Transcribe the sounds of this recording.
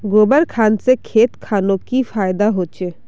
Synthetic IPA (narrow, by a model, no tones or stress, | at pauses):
ɡobəɾkʰansekʰeːt̪kʰaːnokifaːjd̪aɦot͡ʃʰe